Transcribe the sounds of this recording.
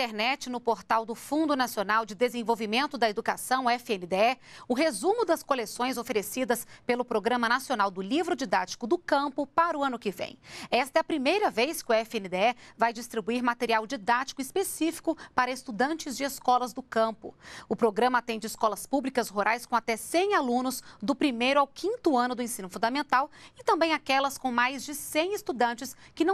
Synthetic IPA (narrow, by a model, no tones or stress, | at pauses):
t̪eɾnɛt͡ʃɪnʊpoɾt̪awd̪ʊfũnd̪ʊnasionawd͡ʒɪd̪ezẽvowvimẽnt̪ʊd̪ɐed̪ukasɐ̃w̃ɛfɪenɪd̪eɛʊɦezũmʊd̪ɐskolesõj̃zofeɾesid̪ɐspelʊpɾoɡɾɐ̃mɐnasionawd̪ʊlivɾʊd͡ʒid̪at͡ʃi̥kʊd̪ʊkɐ̃mpʊpaɾʊɐ̃nʊkɪvḛ̃j̃ɛst̪ɛɐpɾimejɾɐvejskɪʊɛfẽnɪd̪eɛvajd͡ʒist̪ɾibuiɾmat̪eɾiawd͡ʒid̪at͡ʃi̥kʊɪspesifi̥kʊpaɾɐest̪ud̪ɐ̃nt͡ʃɪzd͡ʒɪeskɔlɐzd̪ʊkɐ̃mpʊ̰ʊpɾoɡɾɐ̃mɐat̪ẽd͡ʒɪɪskɔlɐspublikɐsɦuɾʔajskõat̪ɛsẽj̃alũnʊzd̪ʊpɾimejɾʊawkʰĩnt̪ʊɐ̃nʊd̪ʊẽsĩnʊfũd̪ɐmẽnt̪awɪt̪ɐ̃mbẽj̃akɛlɐskõw̃majzd͡ʒɪsẽj̃ɪst̪ud̪ɐ̃nt͡ʃɪskɪnɐ̃